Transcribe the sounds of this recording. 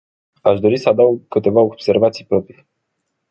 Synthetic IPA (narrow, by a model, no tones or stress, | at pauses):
aʃd̪o̞ɾisəad̪awɡkɨt̪e̞vaob̥se̞rvat̪sijpɾo̞pɾi